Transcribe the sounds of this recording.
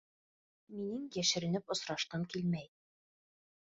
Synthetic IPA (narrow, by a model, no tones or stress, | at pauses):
minɘŋjæʃɘ̆ɾɘ̆nɘpŏsɾɑʃt̪ɑŋkilmæj